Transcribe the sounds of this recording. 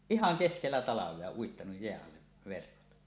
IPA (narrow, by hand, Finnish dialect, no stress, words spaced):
ihɑŋ keskelːæ tɑlɑʋˑeɑ uitːɑnuj jeæʔ ʔɑlːeʋ̆ ʋerkot